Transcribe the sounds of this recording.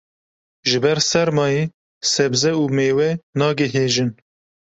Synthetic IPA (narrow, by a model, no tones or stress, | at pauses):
ʒɨbɛɾsɛɾmɑːjiː | sɛbzɛuːmeːwɛnɑːɡɨɦeːʒɨn